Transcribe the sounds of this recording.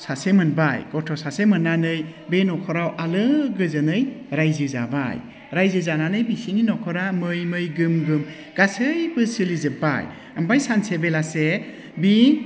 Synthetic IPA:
sasemɯnbajɡɔtʰɔsasemɯnːanɯj | benɔkʰɔɾawʔalɯɡɯzɯnɯjɾajzɯza̰ba̰j | ɾajzɯzananɯjbisininɔkʰɔɾamɯjmɯjɡɯmɡɯm | ɡ̥asɯjbɯsɯlizɯba̰j | ambajsansebelase | bi

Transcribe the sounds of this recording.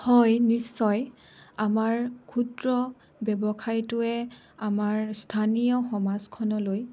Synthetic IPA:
hɔjnisːɔj | amaɹkʰutɹɔ | bɛbɔkʰajtʊɛ | amaɹstʰanijɔxɔmazkʰɔnɔloj

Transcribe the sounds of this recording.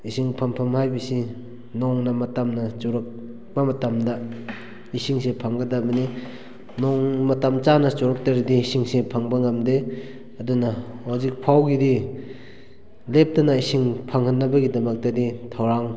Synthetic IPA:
isiŋpʰɐmpʰɐmhajbɐsi | nɔŋnɐmɐtamnɐt͡ʃoɾɐk̚ | b̥ɐmɐtamdɐ | isiŋsepʰaŋɡɐdabɐni | nɔŋmɐtamt͡ʃanɐt͡ʃoɾɐk̚tɐɾidiisiŋsepʰaŋbɐŋɐmde | ɐdunɐwawzik̚pʰawɡidi | lep̚tɐnɐisiŋpʰaŋhɐnːɐbɐɡidɐmɐk̚tɐditʰawɾaŋ

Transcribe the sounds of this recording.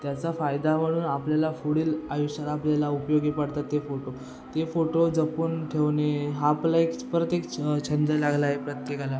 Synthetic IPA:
t̪jat͡safajd̪am̤əɽ̃uːnapljalafuɽiːlajuɕəɾaːpljalaupjoɡipaɽt̪at̪ːefoʈo | t̪efoʈod͡zəpuːnʈʰeʋneɦaplaekpɾət̪ekt͡ɕʰənd̪əlaɡlaɦepɾət̪jekala

